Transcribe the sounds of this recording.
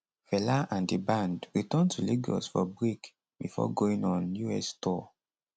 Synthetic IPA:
fɛlaʔãndibãndɹitɛ̃ntʰuliɡɔ̰sfɔbɹik | bifɔ̰ɡoĩŋɔ̃njuɛstʰɔ

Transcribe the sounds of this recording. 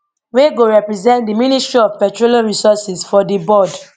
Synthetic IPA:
weɡoɹɛpɹizɛ̃ntdiministɹiɔvpɛtɹolãnɹisɔsɛsfɔdibɔd

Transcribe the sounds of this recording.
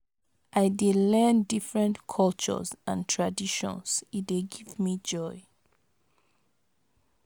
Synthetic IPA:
ʔaɪdelɛ̃ndifɹɛ̃ntkʰɔlt͡ʃɔ̰zãntʰɹadiʃɔ̰̃nsit̚deɡivmid͡ʒɔɪ

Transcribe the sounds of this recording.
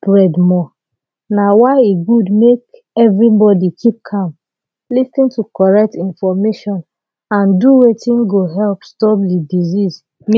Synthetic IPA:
bɹɛdmɔ | nawaɪeɡudmek | ɛvɹibɔdikʰip̚kʰãm | listĩntukɔɹɛk̚tĩnfɔmeʃɔ̃n | ãnduwetĩnɡoɦɛlpstɔp̚didiziz | m

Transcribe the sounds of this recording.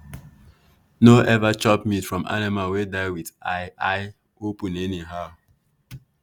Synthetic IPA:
noʔɛvat͡ʃɔp̚mitfɹɔ̃ma̰nimawedaɪwidaɪaɪ | opũneniɦaʊ

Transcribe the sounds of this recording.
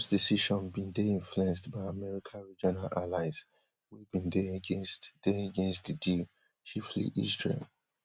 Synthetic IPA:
sdisiʃɔ̃nbĩndɛĩɱfluɛ̃nstbaɪamɛɹikʰãɹid͡ʒɔnalʔalaɪz | wibĩndɛɡẽnstdɛaɡẽnstdidi | t͡ʃiflḭʔḭstɹḭ

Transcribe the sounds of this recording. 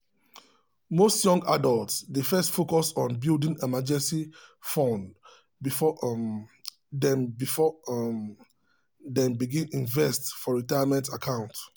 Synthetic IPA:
mostjɔ̃ŋɡadɔltsdefɛstfokɔsɔ̃nbildĩŋemad͡ʒɛ̃nsifɔ̃nd | bifɔ | dɛ̃mbifɔ | dɛ̃mbiɡĩnĩnvɛstfɔɹitajamɛ̃ntakʰãʊ̃nt

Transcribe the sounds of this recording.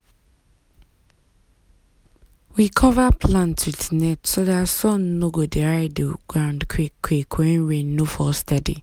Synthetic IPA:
wikʰɔvapʰlãntwitnɛtsodasɔ̃nːoɡodeɹaɪdəɡ̥ɹãʊ̃ndkʰwiwekʰwɛ̃nɹẽnːofɔstɛdḭ

